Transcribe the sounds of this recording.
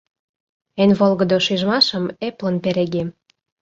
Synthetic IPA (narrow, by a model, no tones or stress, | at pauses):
enβolɣəd̪oʃiʒmɑʃə̆meplə̆npeɾeɣem